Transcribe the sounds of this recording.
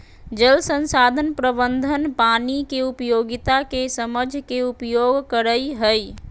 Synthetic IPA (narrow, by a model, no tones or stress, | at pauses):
d͡ʒəlsənsad̪ʱənpɾəbənd̪ʱənpanikeupjoɡit̪akesəməd͡ʒʱkeupjoɡkəɾəjɦəj